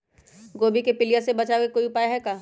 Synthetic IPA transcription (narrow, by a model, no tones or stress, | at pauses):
ɡoːbikepɪlijasebɐt͡ʃaokekoːiʊpaːjɦɛkaː